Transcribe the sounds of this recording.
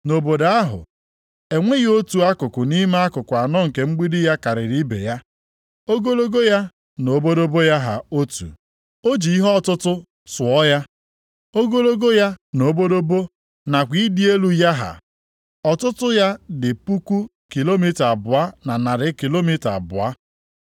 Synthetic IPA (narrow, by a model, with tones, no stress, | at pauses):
no˨bo˨da˨a˦ɦʊ̰˨ | e˨ŋʷe˦ɣo˦tu˨a˦kʊ˨kʊ˨ni˦ma˦a˦kʊ˨kʷa˨nɔ˦˨ŋ̩˨ke˨ŋ͡m̩˦ɡ͡bi˦dɪ˦ja˦ka˨ɾɪ˨ɾi˦bḛ˨ja˦ | o˦ɡo˦lo˦ɡo˦ja˦ | no˨˦bo˦do˦bo˦ja˦ɦa̰˨o˦tṵ˨ | o˦d͡ʒi˨i˦ɦɔ˦ɔ˦˨tʊ˦tʊ˦ | sʊ˨ɔ˦ja˦ | o˦ɡo˦lo˦ɡo˦ja˦no˨˦bo˦do˦bo˦ | na˨kʷi˦di˦e˦lu˦ja˦ɦa̰˨ | ɔ˨tʊ˦tʊ˦ja˦dɪ˨pu˦ku˦ | ki˨lo˦mi˦ta˨bʊ˨a˦na˨na˨ɾɪ˦ki˨lo˦mi˦ta̰˨bʊ˨a˦